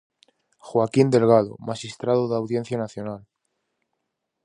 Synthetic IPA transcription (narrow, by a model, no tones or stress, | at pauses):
xwakind̪e̞lɣ̞aðo̰maʃist̪ɾaðoðawðje̞n̟θjanaθjo̞nal